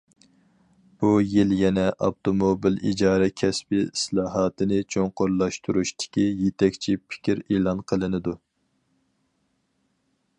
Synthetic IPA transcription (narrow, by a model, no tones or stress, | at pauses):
b̥ujiljɛnɛʔɑpt̪ʰomobilḭd͡ʒɑːɾɛkʲʰɛspɪslˠɑːɦɑːt̪ɨnɨt͡ʃʰoŋqoɾlˠɑʃt̪ʰuɾuʃt̪ɪ̥kʲijet̪ʰɛkʲt͡ʃʰipʰɪ̥kʲʰiɾeːlˠɑnqʰəlˠɨnɨd̪u